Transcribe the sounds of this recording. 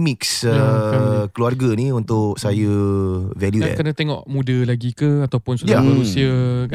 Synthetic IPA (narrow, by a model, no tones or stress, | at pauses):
miksə | kəluarɡaniunt̪ʊk̚sajəvɛljukənãt̪eŋɔ̰ʔmudəlaɡikəat̪awpʊnsuamanũsiə